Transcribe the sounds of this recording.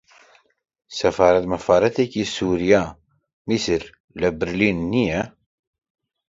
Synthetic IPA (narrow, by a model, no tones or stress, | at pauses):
sæfɑɾˤat̪mæfɑɾɑt̪ækisuɾjæ | misəɾ | læbəɾlinnijæ